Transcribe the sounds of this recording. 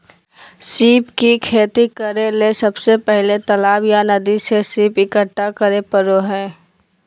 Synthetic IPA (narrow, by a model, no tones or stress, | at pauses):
siːpkikʰeːt̪ikəɾelesɐbsepɛɦlet̪əlaːbjanɐd̪isesiːpɪkəʈːakəɾepəɾoɦɛ̃ː